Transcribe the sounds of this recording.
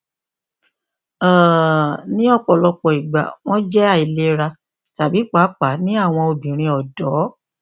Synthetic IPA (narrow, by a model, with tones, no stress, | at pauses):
ã˨nĩ˦ɔ˦˨k͡pɔ˨lɔ˧k͡pɔ˨i˨ɡ͡ba̰˨w̃ɔ̃˦d͡ʒɛ˦a˦˨i˨le˦ɾa˧ | ta˨bi˨˦k͡pa˨˦k͡pa˨˦nĩ˦a˦˨w̃ɔ̃˧o˧bĩ˨ɾ̃ĩ˧ɔ˨dɔ˨˦